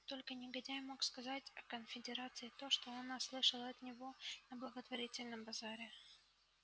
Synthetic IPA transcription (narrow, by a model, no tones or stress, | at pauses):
t̪o̞lʲkənʲɪɡɐdʲajmo̞kskɐzatʲɐkənfʲɪdʲɪɾat̪sɨɪt̪o̞ʂt̪o̞ɐnaslˠɨʂəlˠɐt̪nʲɪvo̞nəblˠəɡət̪vɐɾʲitʲɪlʲnəmbɐzaɾʲɪ